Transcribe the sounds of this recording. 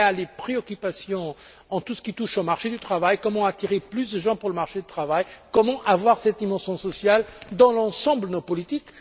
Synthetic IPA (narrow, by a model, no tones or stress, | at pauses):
alepχeɔkʲypasjɔ̃ | ɑ̃t̪usə̥kʲit̪uʃomaʁʃed̪yt̪χavajkɔmɑ̃at̪iʁeplysd̪əʒɑ̃puʁləmaʁʃed̪yt̪χavajkɔmɑ̃ʔavwaʁsɛt̪imɑ̃sjɔ̃sɔsjald̪ɑ̃lɑ̃sɑ̃bld̪ənopɔlit̪ik